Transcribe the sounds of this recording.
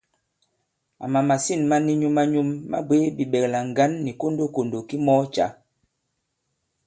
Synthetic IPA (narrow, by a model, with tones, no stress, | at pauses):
a̰˨ma˨ma˨si˦˨nma˦ni˦ɲu˦ma˦ɲu˦mːa̰˦bwe˦bi˨ɓɛ˨kla˨ŋ˨ɡa˦nːi˨ko˦ndo˦ko˨ndo˨ki˦mɔ˦t͡ʃa̰˨˦